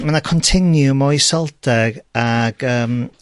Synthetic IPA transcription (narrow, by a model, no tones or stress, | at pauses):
manakʰɔntʰɪnjumɔjsɔlˠdɛɡaɡ̥əːm